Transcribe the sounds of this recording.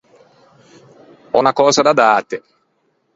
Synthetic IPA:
ɔ̰nakɔːzad̪ad̪aːt̪e

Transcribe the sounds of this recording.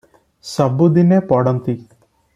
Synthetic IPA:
səbud̪inepɔɽɔnt̪i

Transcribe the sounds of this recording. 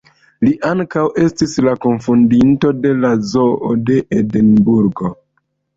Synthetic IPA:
liʔaŋkawʔe̞stislakoɱfundinto̞de̞lazo̞ode̞ʔedenbuɾɡo̞

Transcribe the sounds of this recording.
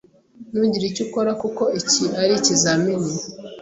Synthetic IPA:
nuːɲɟiɾicuko̞ɾakuko̞iciaɾicizamini

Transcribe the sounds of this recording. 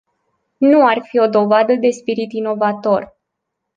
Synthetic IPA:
nuarfio̞d̪o̞vad̪əd̪e̞spiɾit̪ino̞vat̪o̞r

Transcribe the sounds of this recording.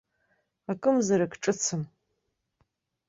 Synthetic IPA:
akʼɨmzaɾakʰʼʈ͡ʂʼɨt͡sʰɨm

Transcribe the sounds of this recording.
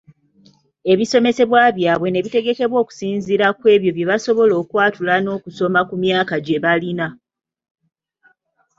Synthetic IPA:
e̞βiso̞me̞se̞βwaβjaːβwe̞ne̞βite̞ɡe̞ke̞βwo̞ːku̥siːnziɾakwe̞ːβjo̞βjeβaso̞βo̞lo̞ːkwaːtulano̞ːkuso̞makumjaːkaɟe̞βalina

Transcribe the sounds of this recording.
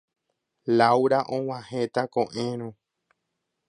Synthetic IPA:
lawɾaʔõw̃ãhet̪akõʔẽɾ̃õ

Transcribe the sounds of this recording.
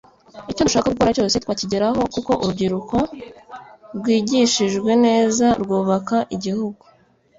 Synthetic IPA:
icoduʃaːkakukoɾaco̞ːse̞t̪waːciɟeɾaɦo̞kuko̞ʔuɾubɟiɾuko̞ | ɾɡwiːɟiʃiʒɡwe̞ne̞ːzaɾɡuːβakaʔiɟihuɡu

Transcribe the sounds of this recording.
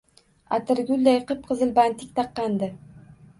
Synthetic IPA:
a̰t̪ʰɪɾɡʲʊlʲd̪ajqɨp̚qʰɨzɨlbant̪ʰɪk̚ʲt̪ʰɑqːɑnd̪ɪ

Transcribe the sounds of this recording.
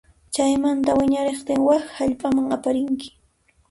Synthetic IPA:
t͡ʃajmant̪awɪɲaɾeχt̪ɪŋwakhaʎpʼamaŋapaɾɪŋkɪ̥

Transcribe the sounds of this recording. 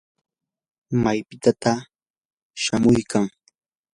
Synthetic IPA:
majpɪt̪at̪a | ʃamʊjkʰaŋ

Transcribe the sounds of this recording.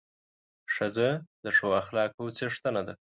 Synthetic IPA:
ʂazəd̪əʂoaxlɑkot͡seʂt̪anad̪a

